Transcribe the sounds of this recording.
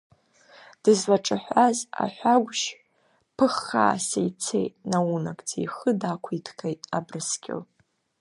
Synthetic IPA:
d̥ɨzwaʈ͡ʂʼɨħʷaza̰ħʷaɡʷʃ | pʰɨχːa̰ːsejt͡sʰḛjtʼnawunakʼt͡sʰʼḭjχədakʷʰidʰkʰʼejtʼabrɨskʲɪ̰l

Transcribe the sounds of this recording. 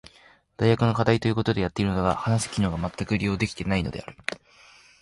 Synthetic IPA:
d̪̥ajjakɯ̟no̞kad̪ait̪o̞jɯ̟ko̞t̪o̞d̪e̞jat̪ːe̞iɾɯ̟nd̪oɡa̰hanasi̥kʲino̞ːɡamat̪ːakɯ̟ɾʲijo̞ːd̪e̞kʲt̪e̞naino̞̰d̪e̞̰a̰ɾɯ̟

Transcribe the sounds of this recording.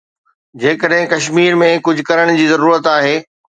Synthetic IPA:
d͡ʑeːkəɗɦɪ̃kɐʃmiːɾmẽkʊd͡ʑʱʊ̆kɐɾəɽ̃d͡ʑiːzɐɾuːɾət̪aːɦeː

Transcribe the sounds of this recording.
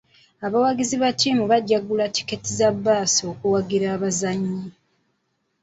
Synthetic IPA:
aβawaɡiziβatiːmuβaɟaɡulati̥ketizabːaːsio̞kuwaɡiɾaːβazaɲːi

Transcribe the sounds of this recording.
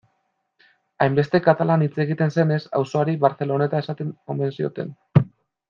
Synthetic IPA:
ajmbe̞st̪e̞kat̪alanit͡se̞ɣit̪e̞nse̞ne̞sa̰wso̞aɾiβaɾθe̞lo̞ne̞t̪ae̞sat̪eome̞nsio̞̰t̪e̞̰n

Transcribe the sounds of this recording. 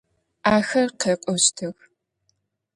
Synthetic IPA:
aːxɐrqeːqʷʼɔstʰɨx

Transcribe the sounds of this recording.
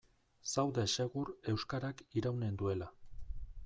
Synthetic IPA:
sawðese̞ɣure̞wskaɾakiɾawne̞nd̪ue̞la

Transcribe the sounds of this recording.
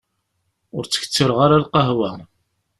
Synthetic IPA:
ʊɾt͡sːə̥çə̥t͡sːəɾʁaɾalqɑɦwæ

